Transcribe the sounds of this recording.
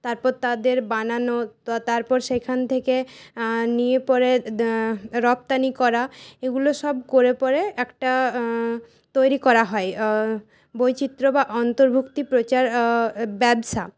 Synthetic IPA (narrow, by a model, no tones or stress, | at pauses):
t̪aɾpɔɾt̪ad̪eɾbananoat̪aɾpɔɾʃejkʰant̪ʰeke | niepɔɾe | ɾɔp̚t̪anikɔɾaeɡuloʃɔbkoɾepɔɾeɛkʈa | t̪ojɾikɔɾaɦɔe | bojt͡ɕit̪ːɾobaʔɔnt̪oɾbʱukt̪ipɾot͡ɕaɾbɛbʃa